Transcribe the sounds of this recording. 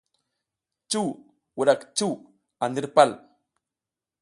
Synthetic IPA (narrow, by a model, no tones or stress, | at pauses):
t͡ʃuː | wuɾakt͡ʃu | and̪iɾpal